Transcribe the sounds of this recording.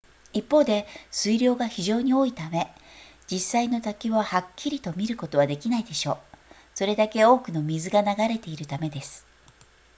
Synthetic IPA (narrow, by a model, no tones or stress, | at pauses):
ipːo̞ːd̪e̞sɨiɾʲo̞ːɡaçiʑo̞ːɲ̟io̞ːit̪ame̞ | d͡ʑisaino̞t̪akʲiβahakʲːiɾʲit̪o̞mʲiɾɯ̟ko̞t̪o̞β̞ad̪e̞kʲinaid̪e̞ɕo̞ː | so̞ɾe̞d̪ake̞o̞ːkɯ̟no̞mʲizɨɡanaɡaɾe̞t̪e̞iɾɯ̟t̪ame̞d̪e̞sɨ̥